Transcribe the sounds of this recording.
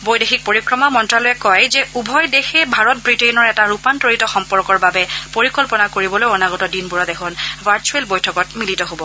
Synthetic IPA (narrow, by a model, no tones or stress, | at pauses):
bojdexik̚poɹikɹɔmamɔntɹalɔjɛkɔjzɛubʱɔjdexɛbʱaɹɔt̚bɹitejnɔɹɛtaɹupantoɹitɔxɔmpɔɹkɔɹbabɛpoɹikɔlpɔnakoɹibɔlojɔnaɡɔtɔdinbuɹɔtɛxʰɔnvʱaɹt͡ʃuɛlbojtʰɔkɔtmilitɔɦobɔ